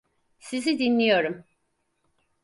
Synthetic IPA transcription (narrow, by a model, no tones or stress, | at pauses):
sizid̪inlːʲijo̞ɾum